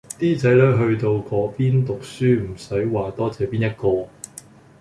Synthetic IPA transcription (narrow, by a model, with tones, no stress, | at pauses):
t̪iː˥t͡sɐ˨˥jlœː˨˥ɥɦɵ˧ɥt̪o˧wkɔː˨˥piː˥nt̪ʊ˨k̚syː˥m̩˨˩sɐ˨˥jwaː˨t̪ɔː˥t͡sɛː˨˧piː˥njɐ˥t̚kɔː˧